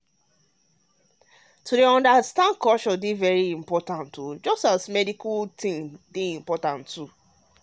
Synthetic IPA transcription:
tʰudeɔ̃ndastãndkʰɔt͡ʃɔdevɛɹiĩmpɔtãntud͡ʒɔstasmɛdikʰaltʰĩŋdeĩmpɔtãntːu

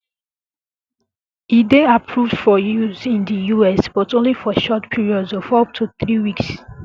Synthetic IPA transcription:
ideapʰɹuvd̥fɔjuzĩndəjuɛsb̥ɔtõnlifɔʃɔtpʰiɹiɔdzɔvɔp̚tʰuθɹiwiks

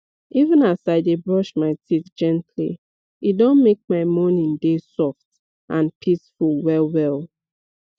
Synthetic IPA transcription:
ivə̃nasaɪdebɹɔʃmaɪtʰitd͡ʒɛ̃ntʰlḭ | idɔ̃nmek̚maɪmɔnĩndesɔft | ʔãnpʰisfulˠwɛlˠwɛlˠ

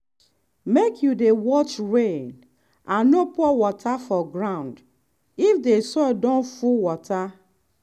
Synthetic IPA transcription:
mekʰjudewɔt͡ʃɹẽn | ãnːɔpɔwɔtʰafɔɡɹãʊ̃nd | ifdesɔdɔ̃nfuwɔtʰa

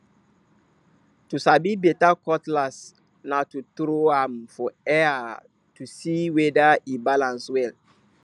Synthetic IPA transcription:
tusabibɛtakɔtlas | natut̪ɾoamfɔɛa | tusiwɛdaibalãnswɛl

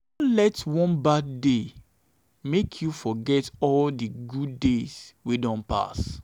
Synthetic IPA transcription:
ɔlɛtwɔ̃nbadːde | mekʰjufɔɡɛtɔldiɡuddez̥widɔ̃npa̰s

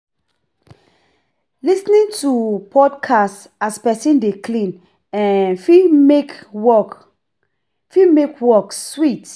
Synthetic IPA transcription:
lisnĩntʰupʰɔdkʰast | aspɛsĩndekʰlĩn | ɛ̃nfik | fimekwɔkswit

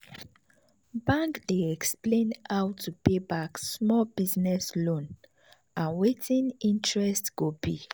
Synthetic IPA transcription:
bãŋkdeɛksplẽnawtʰupebaksmɔlbiznɛslõn | ʔãnwetʰĩnĩntɹɛstɡ̥obi

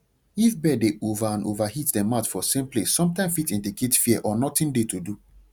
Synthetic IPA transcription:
ifbɛdeʔovaãnʔovahitdɛmatfɔsẽmplesːɔ̃mtãɪ̃mfitĩndikʰetfiɛʔɔnɔtĩndetʰudu

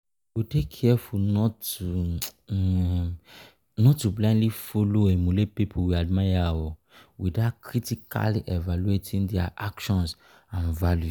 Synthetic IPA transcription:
witekʰːɛfunɔtu | nɔtːublãndlifoloemũlepipʰuwiadmajawɔ | widatkʰɹitika̰liʔevaluetʰĩndɛaʔakʃɔ̃ns | ãnvalju

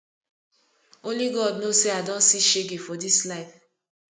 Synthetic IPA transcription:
oliɡɔdnoseadɔ̃nsiʃeɡefɔdislaɪf

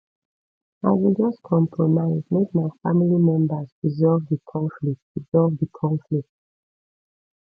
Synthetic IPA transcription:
aɪwid͡ʒʌskʰɔ̃mpʰɹɔnaɪdmek̚maɪfamilimɛ̃mbəsɹizɔlvðəkʰɔ̃ɱflik̚tɹizɔlvðəkʰɔ̃ɱflik̚t

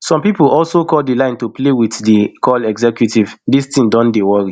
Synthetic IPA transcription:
sɔ̃mpipɔlsokɔldilãɪ̃ntuplewiθdikʰɔlɛɡzɛkjutivdistĩŋdõndewɔɹi

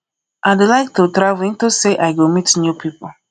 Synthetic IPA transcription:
ʔadelaɪk̚totɾavĩntoseʔaɪɡomitnjupʰipo

